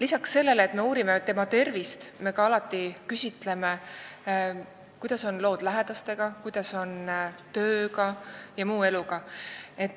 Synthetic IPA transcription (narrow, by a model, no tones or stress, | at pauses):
lisɑksːe̞lːe̞leːt̪me̞uːɾimet̪e̞mɑt̪e̞rvist̪me̞kɑɑlɑt̪ːˑikysʲit̪ˑle̞me | kujd̪̥ɑso̞nlo̞ːd̪̥læɦe̞d̪̥ɑst̪e̞ɡ̥ɑkujd̪̥ɑso̞nt̪ø̞ːɡɑjɑmuːe̞luɡ̥ɑe̞t̪ː